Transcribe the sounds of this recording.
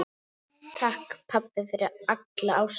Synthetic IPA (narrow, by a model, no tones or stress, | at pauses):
t̪ʰahkpʰapɪfɪɾɪaklaaws